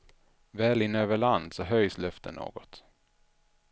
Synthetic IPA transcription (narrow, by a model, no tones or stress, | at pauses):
vɛːlɪnːøːvəɭand̪sɔɦœjslœft̪ʰə̰nːo̰ːɡɔt̪